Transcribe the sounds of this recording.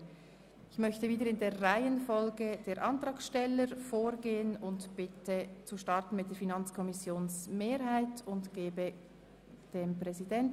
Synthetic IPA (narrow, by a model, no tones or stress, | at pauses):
ɪçmœçtəviːdəɾɪndeːʁaɪənfɔlɡəd̥eːɾʔɑntʁɑːkʃtɛləɾfoːɾɡeːənʊntb̥ɪtʰət͡suʃtɑʁtn̩mɪt̚d̥eːɐɾfinɑnt͡skʰɔmɪsjoːnsmeːɾhaɪtʊntɡ̥eːbə | d̥eːmpʁɛzidɛnt